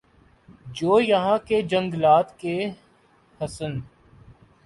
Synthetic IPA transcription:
d͡ʒoːjɐɦãked͡ʒə̃ŋɡlaːt̪ke | hɐsən

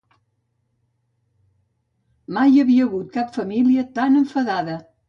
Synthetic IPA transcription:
majəβiəːɣut̪̚kapfəmiliət̪anəɱfəðaðə

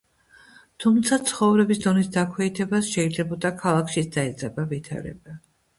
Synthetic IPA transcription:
t̪ʰumt̪sʰat̪sʰχɔvɾɛbisd̪ɔnisd̪akʰwɛit̪ʰɛbasʃɛid̪zɛbɔd̪akʰalˠakʰʃisd̪̥aɛd̪zʼɛbavit̪ʰa̰ɾɛ̰ba

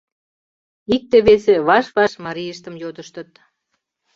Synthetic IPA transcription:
ik̚t̪eβeseβɑʃβɑʃmɑɾijəʃt̪əmjot̪əʃt̪ət̪̚

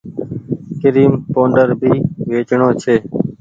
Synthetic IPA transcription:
kəɾiːmpõːɳɖəɾbʱiːʋeːt͡ʃɳõːt͡ʃʰeː

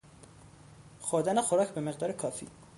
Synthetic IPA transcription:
xoɾd̪ænexoɾɒːcʰbe̞me̞ɣd̪ɒːɾekʰɒːfḭː

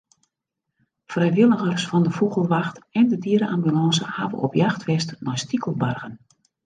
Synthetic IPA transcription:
frɛjʋɪlˠəɣərsfɔndəfuɣəlˠʋaxtɛndədiəɾəʔambylɑ̃ːsə̰ha̰ʋə̰ʔɔpjaxtʋɛstnɔjstikʰəlˠbarɣən

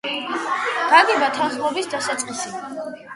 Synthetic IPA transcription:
d̪̥aɡɛbat̪ʰanχmɔbisd̪asat̪sʼqʼisi

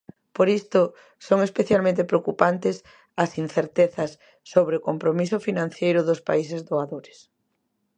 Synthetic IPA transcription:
poɾist̪ʊ | soŋespeθjalmẽnt̪ɪpɾeokupant̪ɪs | ɐsin̟θeɾt̪eθɐsː | oβɾeokompɾomisʊfinãn̟θjejɾʊðʊspaisɪzðoaðoɾɪs

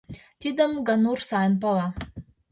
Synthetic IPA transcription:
t̪id̪əmɡɑnursɑənpɑlɑ

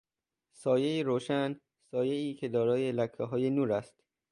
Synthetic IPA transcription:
sɒːjejiɾoːʃæn | sɒːjeiːcʰe̞d̪ɒːɾɒːjelækʰːɦɒːjenuːɾæst̪

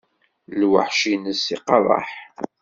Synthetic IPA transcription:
lwə̰ħʃinəsiqɑðˤɑ̰ħ

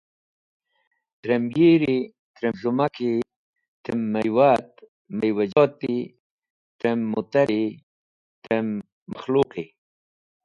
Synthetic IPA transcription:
t̪ɾemjiɾi | t̪ɾemzumaki | t̪emːajwat̪ | majwad͡ʒɔt̪i | t̪ɾemːut̪aɾi | t̪emː | axluqi

